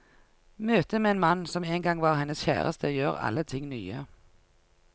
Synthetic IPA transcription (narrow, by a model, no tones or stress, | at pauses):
møːt̪əmeːeːnmɑnsɔmeːŋɡɑŋʋɑːʁhɛnəsçæ̰ːʁə̰st̪əjøːʁɑ̰lət̪ʰɪŋny̰ːə